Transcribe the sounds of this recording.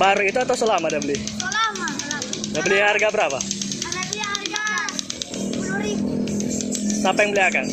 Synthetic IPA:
baɾuit̪uat̪awsəlamadabəlɪh | dabəlɪhharɡabəɾapa̰ | sapajaŋbəliakan

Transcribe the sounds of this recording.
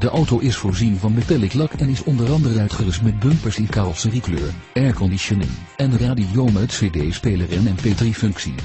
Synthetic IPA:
d̥əʔɔwtowʔɪsfʊːɹzinvɑnbətɛlɪklɑkʰɛnɪsɔndərɑndərənœɥtχərɪstmɛd̚bɵmpəɹsɪnkaːrlˠsəriklø̰ːɹ | ɛɹkɔndisonḛl | ɛnəraːdijowmətsedejspeːlərɪnɛnpedrifʏŋksḭ

